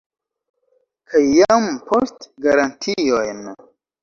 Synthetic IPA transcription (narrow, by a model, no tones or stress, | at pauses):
kʰajːampʰo̞stɡaɾantʰiojn